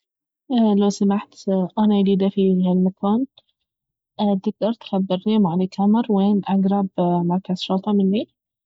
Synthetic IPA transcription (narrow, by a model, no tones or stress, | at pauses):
lawsamaħt̪ʔanaliːd̪afihalmakʰaːn | t̪ɪɡ̚d̪ɑɾˤt̪xabːɪɾniːmʕanikʰamɑɾˤweːnʔaɡɾˤɑbmɑɾˤkaz̥ʃʊlt̪ˤɑmɪnːi